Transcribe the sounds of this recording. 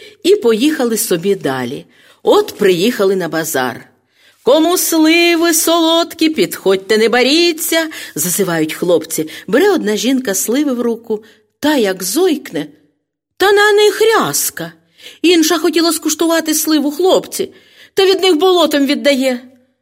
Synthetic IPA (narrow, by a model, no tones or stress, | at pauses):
ipɔjixɐlˠɪsɔbʲid̪ɑ̰lʲḭ | ɔt̪pɾɪjixɐlˠɪnɐbɐzɑ̰r | kɔmuslˠɪʋɪsɔlˠɔt̪kʲipʲid̪xɔd̚ʲt̪ɐnɛbɐɾʲit͡sʲːɐzɐzɪʋɑjʊtʲxlˠɔpt͡sʲibeɾɛɔd̪nɑʒʲinkɐslˠɪʋɪwɾukʊ | t̪ɑjɐɡzɔjknɛ | t̪ɐnɐnɪxɾʲɑskɐ | inʃɐxɔtʲilˠɐskʊʃt̪ʊʋɑt̪ɪslˠɪʋʊxlˠɔpt͡sʲi | t̪ɐʋʲid̪nɪxbɔlˠɔt̪ɔmʋʲid̪ːɐjɛ